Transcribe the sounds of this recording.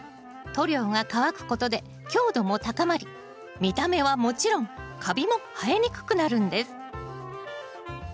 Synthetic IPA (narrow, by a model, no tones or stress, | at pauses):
t̪o̞ɾʲo̞ːŋakaβakɯ̟̥ko̞t̪o̞d̪e̞ | kʲo̞ːd̪o̞mo̞t̪akamaɾʲi | mʲit̪ame̞βamo̞t͡ɕiɾõ̞ŋkʰabʲimo̞hae̞ɲ̟ikɯ̟̥kɯ̟naɾɯ̟̃nd̪e̞sɨ̥